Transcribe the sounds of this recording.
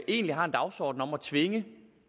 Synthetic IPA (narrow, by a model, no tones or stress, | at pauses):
e̝̰ːnliɦɑ̈end̥ɑ̈ʊsɒ̰ːd̥n̩ɒ̽mæt͡sʰʋe̝ŋə